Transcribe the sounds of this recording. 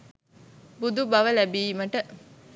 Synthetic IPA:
bud̪ubɐʋəlæbiːməʈə

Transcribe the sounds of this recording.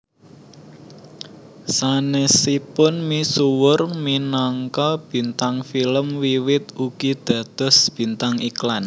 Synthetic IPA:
sanesipʊnmisuwʊrminaŋkɔb̥i̤nt̪aŋfiləmwiwɪt̪̚uɡ̥id̪̥ä̤d̪̥ɔ̤sb̥i̤nt̪aŋiklan

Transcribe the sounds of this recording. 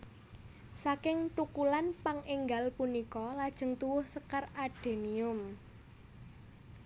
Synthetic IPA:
sakɪŋt̪ukulanpaŋʔɪŋɡalpunikɔlad̥ʒ̥ə̤ŋt̪uwʊhsəkəraɖ̥e̤niʊm

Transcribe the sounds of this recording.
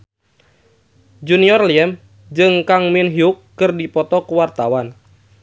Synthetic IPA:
d͡ʒuniɔrliɛm | d͡ʒɨŋkaŋminɦiukːɨrdipɔt̪ɔkuwart̪awan

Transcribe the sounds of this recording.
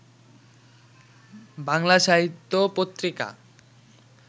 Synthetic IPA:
baŋlaʃaɦit̪ːopot̪ːɾika̰

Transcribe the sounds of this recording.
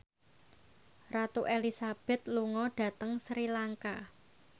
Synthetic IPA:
rat̪uʔelisab̥ɛ̤t̪̚luŋɔɖ̥ä̤t̪əŋsɾilaŋka

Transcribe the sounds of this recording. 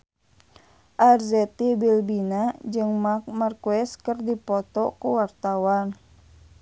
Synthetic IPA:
ʔarzɛt̪ibilbinad͡ʒɨŋmarkuɛskərdipɔt̪ɔkuwart̪awan

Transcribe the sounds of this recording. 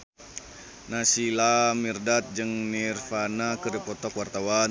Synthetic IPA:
nasilamirdat̪̚d͡ʒɨŋnirfanakəɾipɔt̪ɔkwart̪awa

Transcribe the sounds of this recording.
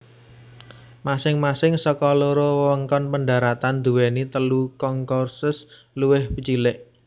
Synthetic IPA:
masɪŋmasɪŋsəkɔloɾɔwwəŋkɔnpəɳɖa̤ɾat̪and̪̥uwenit̪əlukɔŋkɔrsʊs | luwɪhpət͡ʃilɪʔ

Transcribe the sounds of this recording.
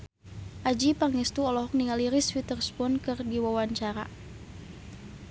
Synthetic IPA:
ʔad͡ʒipaŋɛst̪uɔlɔɦɔk̚niŋaliɾisfit̪ərspɔnkɨrdiwawaɲt͡ʃaɾa̰

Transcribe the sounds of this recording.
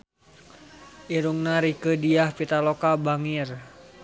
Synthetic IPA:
ʔiɾuŋnaɾikədiahpit̪alokabaŋir

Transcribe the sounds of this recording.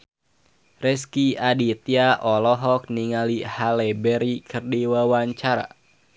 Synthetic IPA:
rɛskiadit̪iaʔɔlɔɦɔk̚niŋalihalɛbɛɾikʰɨrdiwawaɲt͡ʃaɾa̰

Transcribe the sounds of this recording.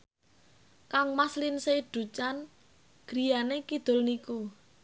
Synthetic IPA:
kaŋmaslɪnseɖ̥ṳt͡ʃan | ɡ̥ɾijanekid̪̥ʊ̤lniku

